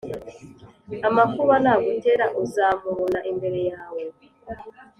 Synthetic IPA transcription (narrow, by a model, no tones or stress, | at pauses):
amafuβanaːɡote̞ɾaʔozaːmuβonaʔimbe̞ɾe̞jaːwe